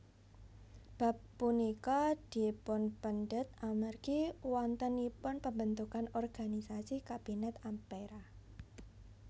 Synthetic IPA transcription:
b̥a̤pːunikad̥i̤pʊnpənɖət̪̚amərɡiwɔnt̪ənipʊnpəmbənt̪ukanɔrɡ̥anisasikab̥inɛt̪ampeɾa

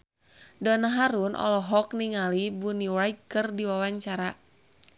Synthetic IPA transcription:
dɔnaɦaɾunʔɔ̰lɔɦɔk̚niŋalibuniwaikɨrdiwawaɲt͡ʃaɾa

